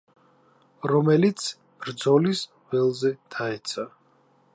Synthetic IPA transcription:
ɾɔmɛlit̪sʰ | b̥ɾd̪zɔlis | v̥ɛlˠzɛd̪̥ʰaɛt̪sʰa

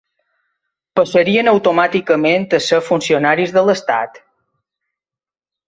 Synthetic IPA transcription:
pəsəɾiənəwt̪omat̪ikəmẽnt̪əsəfunsionaɾizðələst̪a̰t̪

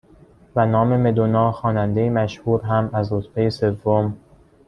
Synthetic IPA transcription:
vænɒːme̞me̞d̪onɒːxɒːnænd̪ejemæʃhuːɾɦæmæzɾot̪bejese̞vːom

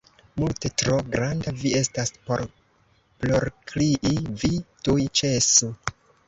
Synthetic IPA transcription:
multe̞tɾo̞ɡɾandavie̞staspo̞ɾ | ploɾkʰliʔivitujt͡ʃesu

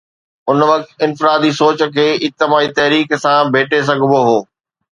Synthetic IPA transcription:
ʊnʋɐk̚t̪ɪnfɪɾaːd̪isoːt͡ɕə̆kʰeːɪt̪ɪmaːit̪ɐɦɾiːksãbʱeːʈʰes̬ɐɡʱboɦoː

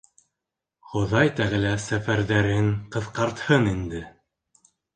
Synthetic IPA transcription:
χŏðɑjt̪æʁɘ̆læsæfæɾðæɾɘŋqɤ̆ðqɑɾt̪hɤnind̪ɘ

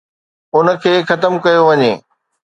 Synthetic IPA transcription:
ʊnə̆kʰeːxɐt̪əmkɐjoʋɐɲeː

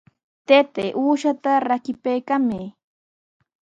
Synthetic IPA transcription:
t̪et̪eʔuːʃat̪aɾakɪpejkame

